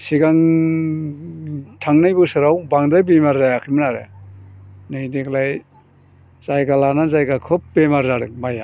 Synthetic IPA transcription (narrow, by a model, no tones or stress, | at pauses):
siɡaŋ | tʰaŋnajbɯsɯɾawbaŋdɾajbemaɾzajakʰimɯnaɾḛ | nɯjdiklaj | z̥ajɡalanazajɡakʰɯp̚bemaɾzaɾɯk̚maja